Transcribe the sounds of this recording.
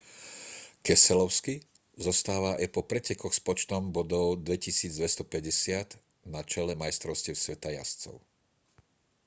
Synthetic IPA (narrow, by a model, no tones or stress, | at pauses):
kɛsɛlɔʊski | zɔst̪aːʋaajpɔpɾɛcɛkɔxspɔt͡ʃt̪ɔmbɔd̪ɔʊd̪ʋɛcisiːd͡zd̪ʋɛst̪ɔpɛɟɛsɪat̪ | nat͡ʃɛlɛmajst̪ɾɔʊsciɛʊsʋɛt̪aja̰st͡sɔ̰ʊ